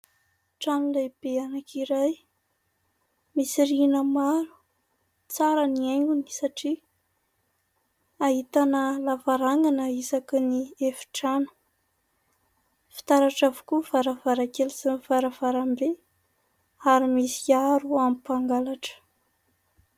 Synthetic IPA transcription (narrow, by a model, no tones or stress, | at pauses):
ʈ͡ʂanilajb̥eanakʰiɾaj | misiɾinəmaɾu̥ | t͡saɾəniajŋɡuni̥saʈ͡ʂi | aɦit̪anəlavaɾaŋɡanəisakniefi̥ʈ͡ʂanə̥ | fi̥t̪aɾaʈ͡ʂavu̥kuvaɾavaɾakelisinivaɾəvaɾambe | aɾimisiaɾuamipaŋɡalaʈ͡ʂə̥